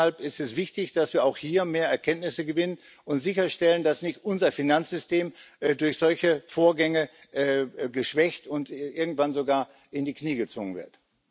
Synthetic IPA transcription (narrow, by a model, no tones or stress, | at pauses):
alpɪstɛsv̥ɪçtɪçd̥asv̥iːɐaʊxhiːɐmeːɐɛɐkʰɛntnɪsəɡəvɪnən | ʊntz̥ɪçɐʃtɛləndasnɪçtʔʊnzɐfinant͡sz̥ʏsteːmdʊɐçz̥ɔlçəfoːɐɡɛŋə | ʔːɡəʃv̥ɛçtʊntʔɪɐɡŋ̩tv̥anzoɡaːɐ | ʔɪndiːkniːɡət͡sv̥o̰ːɡənvɪ̰ɐt